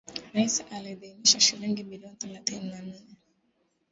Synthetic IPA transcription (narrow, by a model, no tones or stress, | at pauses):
ɾaisʔaliðiːmiʃaʃiliŋɡimiliɔnθɛlaθininan̩nɛ